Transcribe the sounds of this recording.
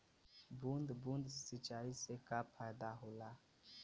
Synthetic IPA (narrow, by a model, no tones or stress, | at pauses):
bund̪bund̪si̥sit͡ʃaisekapʰad̪aɦula